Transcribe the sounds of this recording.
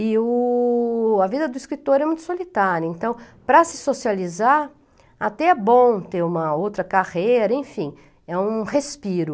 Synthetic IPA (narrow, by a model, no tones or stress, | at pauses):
ɪʊ | ɐvid̪ɐd̪ʊiskɾit̪oɾɛmũj̃t̪ʊ̥solit̪aɾjɐẽnt̪ɐ̃w̃ | pɾɐsɪ̥sosializaɾ | at̪ɛɛbõw̃t̪eɾũmɐowt̪ɾɐkaʁejɾɐẽfĩ | ɛũhespiɾʊ